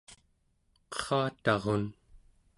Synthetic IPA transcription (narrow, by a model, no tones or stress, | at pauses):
qʌ̥χɑːt̪ɑʁon